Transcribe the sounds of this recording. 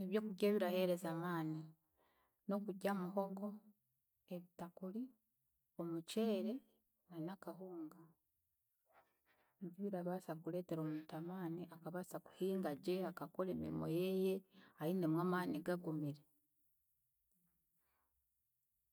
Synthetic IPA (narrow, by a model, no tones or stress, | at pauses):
eβjo̞ːkuɟe̞ːβiɾahe̞ɾe̞zamaːni | no̞kuɟamuɦo̞ɡo̞ | e̞βitakuli | o̞mut͡ʃe̞ːɾe̞ | nanakahuːŋɡa | ɟiiɾaβasakule̞ːte̞ɾo̞ːmutamaːniʔakaβaːsaku̥hiːŋɡaɟe̞akako̞le̞ːmḭɾḭmo̞jeje̞ainemwaːmaːniɡaɡumiɾe